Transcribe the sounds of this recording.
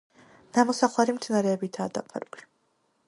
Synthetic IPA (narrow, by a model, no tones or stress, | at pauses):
namɔsaχlaɾimt̪snaɾɛːbit̪ʰaːd̪apʰa̰ɾki̥